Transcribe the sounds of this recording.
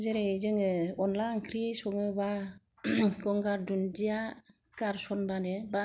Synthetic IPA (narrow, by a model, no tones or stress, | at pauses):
zeɾɛzɯŋɯɔnlaŋkʰɾisɔmɯba | ɡɔŋɡaɾdundija | kaɾsɔnbaneba